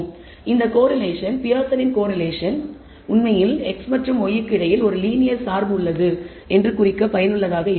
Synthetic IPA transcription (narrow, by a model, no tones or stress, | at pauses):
ɪnd̪ɐkoːɾɐleːʂɐnpɪjaːsɐnɪnkoːɾɐleːʂɐn | ʊnmɐjɪlɛksmɐʈrɯmɔjɪkːɪɽɐjɪlɔɾɯliːnɪjɐɾsaːɾbɯɯɭːɐðɯ | ɛndrɯkʊrɪkːɐpɐjɐnɯɭːɐðaːɣɐɪ